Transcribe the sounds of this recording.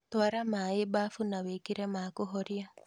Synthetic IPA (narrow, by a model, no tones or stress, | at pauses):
t̪waɾamaɪbafunawekiɾɛmakʊɦɔɾja